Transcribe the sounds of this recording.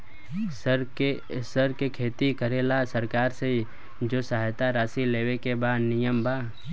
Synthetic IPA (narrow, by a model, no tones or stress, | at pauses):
ɾ | səɾkekʰeːt̪ikəɾeːlasəɾkaːɾsei | d͡ʒoːsaɦjt̪aɾaːsileːwekebaːd̪nɪjəmbʱaː